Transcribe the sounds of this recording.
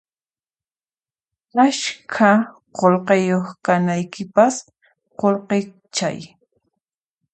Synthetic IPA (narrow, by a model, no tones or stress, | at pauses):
aʃkʰa | qolqejoχkanajkɪpas | qolqe | t͡ʃa̰j